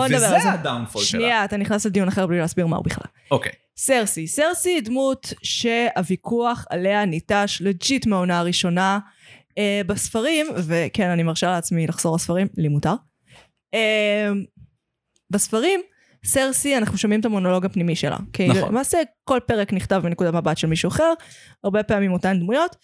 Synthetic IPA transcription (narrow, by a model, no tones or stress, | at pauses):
bond̪abezadawnfolʃniaːt̪aniχnasled̪ijunaχeʁblileːsbiʁma̰ṵbiχla̰lokej | seʁsiseʁsidmutʃe̞avikuaχa̰le̞anitaʃled͡ʒitmeonaʁiʃo̞na | ebasfaʁimve̞kenanimaʁʃaleat͡smilaχz̥o̞ʁasfaʁimlimutaʁ | em | basfaʁim | seʁsianaχnuʃamimet̪amono̞lo̞ɡapnimiʃe̞̰lʔa̰kenlḛmaːseko̞lpe̞ʁekniχtavminekud̪amabatʃelmiʃuaχe̞ʁ | aʁbe̞peamimotand̪mujo̞t